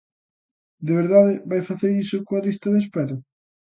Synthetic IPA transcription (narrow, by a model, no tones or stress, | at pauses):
d̪eβeɾðaðɪβajfaθeɾisokoalist̪ɐðespɛɾɐ